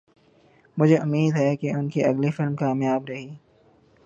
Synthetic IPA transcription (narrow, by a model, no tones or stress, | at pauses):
mʊd͡ʒʱeʔʊmiːd̪ɦɛkeʊnkiʔɐɡlifɪlmkaːmjaːbɾɐɦiː